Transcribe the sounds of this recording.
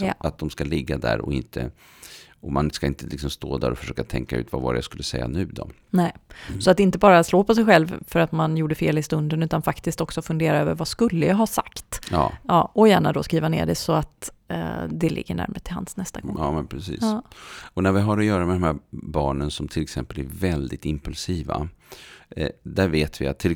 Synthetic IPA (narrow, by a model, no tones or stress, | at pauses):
jɑ̰at̪̚d̪ɔmskalɪɡːad̪æ̰ɾɔ̰ɪnt̪ʰə | ɔmanskaɪnt̪əlɪksɔmst̪oːd̪æ̰ɾɔfœ̥ʂøːkat̪ʰɛŋkaʉ̟ːt̪vavɑ̰ːɾə̰ja̰skɵlːəsɛjːa̰nʉ̟ːd̪ɔ | nɛɪsɔat̪ɪnt̪əbɑːɾasloːpɔsɛjɧɛlvfœɾat̪manjuːɖəfeːlɪst̪ɵnd̪ənʉ̟ːt̪anfakt̪ɪsk̚t̪ɔksɔfɵnd̪eːɾaøːvəɾvaskɵlːəjɑɦɑsa̰kt̪ːɑ̰ːɔjæːɳad̪ɔskɾiːvanḛːɖɛ̰sɔat̪ː | d̪ɛlɪ̰ɡːə̰ɳæ̰ɾməət̪ʰɪlha̰nsnɛst̪aɡɔ̰ŋɑːmɛnpʰɾɛsḭːsːɔnæɾvɪɦaɾɔjœːɾamɛd̪ɔmhæɾbɑːɳənsɔmt̪ʰɪlːɛksɛmpəlæɾvɛld̪ɪt̪ɪmpɵlsiːva̰ | d̪æɾveːt̪vɪa̰t̪ʰːɪl